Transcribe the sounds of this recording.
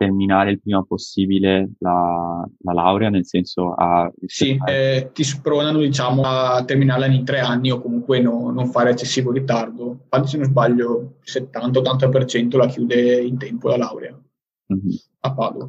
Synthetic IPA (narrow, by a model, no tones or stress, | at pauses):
t̪erminaːɾeilpɾiːmaposːiːbilelalala̰wɾeanelsɛnsoa̰isit̪ispɾoːnanod̪it͡ʃaːmot̪ːerminaːrlanint̪ɾɛanːiokːomuŋkwenoːoɱfaːɾeat͡ʃːesːiːvorit̪ard̪okand̪osenozbaʎːoset̪ːant̪aot̪ːant̪̬ap̬ert͡ʃɛnt̪olak̟juːd̪eint̪ɛmpolalawɾea | m̩ | apːa̰lːo̰